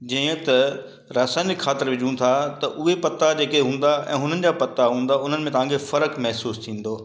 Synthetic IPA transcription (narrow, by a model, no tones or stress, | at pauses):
d͡ʑɐ̃ːə̃t̪ɐ | ɾaːsaːnɪkʰxaːt̪ɪɾʋɪd͡ʑũt̪ʰat̪ɐʔʊɦepɐt̪ad͡ʑeːkeɦũːn̆d̪aʔɛ̰̃ːɦʊn̤ənɪ̆d͡ʑaːpɐt̪aɦũːnd̪aʊn̤ənɪ̆mẽt̪ɐʋãːkʰefɐɾəkmɛɦsuːst̪ʰĩːn̆d̪oː